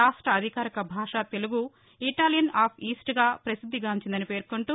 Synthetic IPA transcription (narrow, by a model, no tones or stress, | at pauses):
aːʂʈɾɐːd̪ʱikaːɾikɐbʱaːʂaːt̪e̞luɡu | iʈaːlijɐnaːpʰiːsʈɡaːpɾɐsid̪ʱːiɡaːɲt͡ʃind̪ɐnipe̞ːɾkuɳʈu